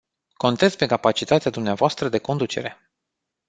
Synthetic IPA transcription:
ko̞nt̪et̪sʲpe̞kapat͡ʃit̪at̪ead̪umneavoast̪ɾəd̪e̞ko̞nd̪ut͡ʃe̞̰ɾe̞

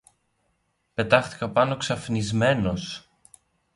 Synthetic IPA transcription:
pe̞t̪ɐxt̪i̥kɐpɐno̞ksɐfnizme̞no̞s

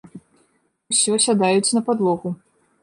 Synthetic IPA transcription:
usʲɔsʲad̪ajut͡sʲnɐpad̪lˠɔɣu

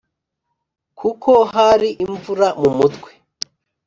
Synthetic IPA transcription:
kʰukʰo̞ɦaɾiʔiɱvuɾamumutkwe

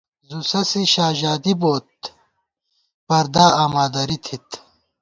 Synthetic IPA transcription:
zusɐsiɕaːʑaːd̪iboːt̪̚ | pɐɾd̪aːaːmaːd̪ɐɾit̪ʰit̪

